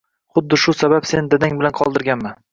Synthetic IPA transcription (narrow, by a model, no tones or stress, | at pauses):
χʊd̪ːɪʃʊsabapsend̪ad̪aŋbɪlanqʰɒlˠd̪ɪɾɡʲanman